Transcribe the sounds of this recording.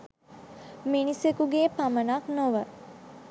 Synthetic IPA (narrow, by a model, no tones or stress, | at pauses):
minisekuɡeːpamənaknoʋə